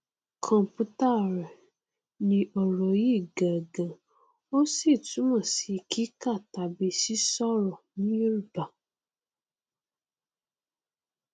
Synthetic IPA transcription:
kʰɔ̃˨m˨pu˦ta˦˨ɾɛ˨ | nĩ˨ʔɔ˨ɾɔ˨ji˦˨ɡã˨ɡã˨ | o˦si˦˨tu˨˦mã˨si˨kʰi˦ka˦˨ta˨bi˧si˦sɔ˦ɾɔ˨nĩ˦ɾu˨ba˨

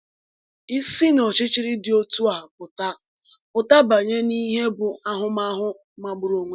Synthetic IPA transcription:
i˦si˦n˨ɔ˨t͡ʃɪ˦t͡ʃɪ˦ɾɪ˦dɪ˨o˦tu˦a˨ɦa˨p̚ʊ˨ta˦ | pʊ˨ta˦ba˨ɲe˦ni˦ɦe˦bʊ˨a˦ɦʊ˦ma˦ɦʊ˦ | ma˨ɡ͡bʊ˨ɾo˨ŋʷe˦

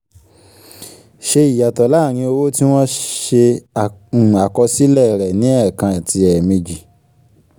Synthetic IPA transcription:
ʃe˧i˨ja˨tɔ˨la˨˦˨ɾ̃ĩ˧o˧wo˦ti˦w̃ɔ̃˦ʃe˧˨ | a˨kɔ˧si˦lɛ˦˨ɾɛ˨nĩ˨˦ɛ˦˨kã˧˨ti˧ɛ˨mĩ˧d͡ʒi˨

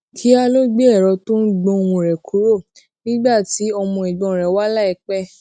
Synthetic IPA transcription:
kʰi˨˦a˧lo˦ɡ͡bi˦ɛ˦˨ɾɔ˨˧tõ˦n̩˦ɡ͡bɔ̃˧˦˧wũ˧ɾɛ˨kʰu˨˦ɾo˦˨ | nĩ˦ɡ͡ba˦˨ti˨˦ɔ˧mɔ̃˧i˨ɡ͡bɔ̃˧˨ɾɛ˨wa˦la˦ɛ˧k͡pɛ˦

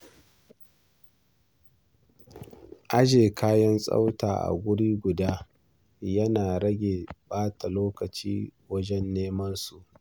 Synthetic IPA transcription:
ʔa˦ʒeː˨kʰaː˦jɐ˦nsʼa̰˦wta̰ː˨ʔa̰˨ɡʷʊ˦ɽiː˦ɡʷʊ˨daː˦ | jɐ˦naː˨ɾɐ˦ɡʲeː˨baː˦ta˨loː˦kɐ˨t͡ʃiː˦wɐ˦d͡ʒɛ˦nːeː˦mɐ˦nsu˨ʔ

